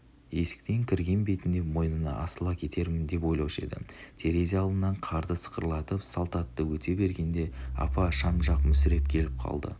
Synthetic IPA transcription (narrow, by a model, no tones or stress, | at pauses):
je̞sɪ̥k̚t̪e̞ŋkʲʰɪɾɡʲe̞nbe̞t̪ɪnd̪e̞mo̞jnənɑ̰ɑ̰səlˠɑkʲʰe̞t̪e̞ɾmɪnd̪e̞po̞jlˠɑwʃe̞̰d̪ɪ̰t̪ʰe̞ɾeziɑlˠd̪ənːɑɴqʰɑɾd̪əsə̥qəɾlˠɑt̪əpsɑlˠt̪ɑt̪ːəwɵt̪ʰe̞be̞ɾɡʲe̞nd̪e̞ɑ̰pɑʃɑmʒɑqmʏsɪɾe̞p̚kʲʰe̞lɪp̚qʰɑ̰lˠd̪ə̰